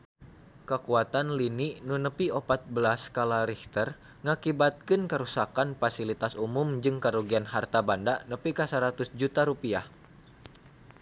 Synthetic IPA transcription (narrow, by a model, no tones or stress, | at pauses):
kəkuat̪anliniʔnunəpiopat̪̚bəlaskalaɾiht̪ər | ŋakibat̪̚kɨnkəɾusakanfasilit̪asumʊmd͡ʒɨŋkəɾuɡianɦart̪abandanəpikasəɾat̪ʊsd͡ʒut̪aɾupiah